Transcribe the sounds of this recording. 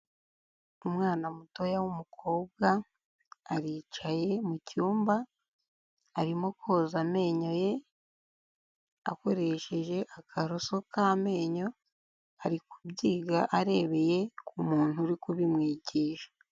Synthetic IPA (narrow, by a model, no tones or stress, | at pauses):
umŋaːnamuto̞jawumukʰo̞ːb̚ɡaː | ɾit͡ʃaje̞mucuːmba | ɾimo̞ko̞ːzame̞ːɲo̞je̞ | a̰ko̞ɾe̞ʃe̞ʒe̞ʔakʰaɾo̞so̞kaːme̞ːɲo̞ | aɾikubɟiːɡaʔaɾe̞ːβe̞je̞kumuːn̥uɾikuβimŋiːɟiːʃḁ